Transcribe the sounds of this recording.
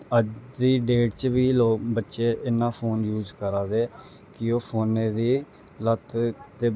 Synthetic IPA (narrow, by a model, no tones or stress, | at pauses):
əd̪iːɖeːʈt͡ʃbiːloːbətːʃeːʔɪnːãːpʰoːnjuːzkəɾaːd̪eː | kɪoːpʰoːnẽːd̪iː | lət̪ʰd̪eː